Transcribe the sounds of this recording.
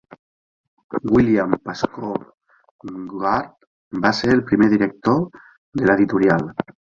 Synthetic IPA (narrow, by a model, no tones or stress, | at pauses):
ɡwiljampasko | ɡaɾt̪ | baseɾelpɾimeðiɾek̚t̪oɾ | ðelaeðit̪uɾjal